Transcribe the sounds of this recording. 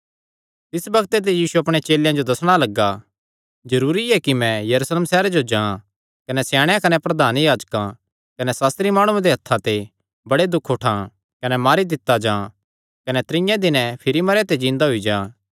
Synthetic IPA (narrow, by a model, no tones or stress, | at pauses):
t̪ɪsbɐɡt̪et̪̬ejiːsuɐpɽ̃et͡ʃeːljãd͡ʒod̪ɐsɽ̃alɐɡːa | d͡ʒɐɾuːɾiɛkimɛ̃jɐɾuːsleːmsɛːɾad͡ʒod͡ʒãːã | kɐnɛsjaːɽ̃jãkɐnɛpɾɐd̪ʱaːnjaːd͡ʒkã | kɐnɛsaːst̪ɾimaːɽ̃ũẽd̪eɦɐt̪ʰːat̪e | bɐɽed̪ʊkʰoʈʰãː | kɐnɛmaːɾid̪ɪt̪ːad͡ʒãː | kɐnɛt̪ɾɪ̃jãd̪ɪnɛ̃pʰɪɾimɐɾjãt̪ed͡ʒĩːnd̪aɦoid͡ʒãː